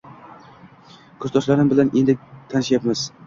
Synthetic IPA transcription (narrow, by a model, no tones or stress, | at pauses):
kʰɵzd̪ʰɒʃlaɾɪmbɪlane̞nd̪ɪt̪ʰanɪʃjapmɪz̥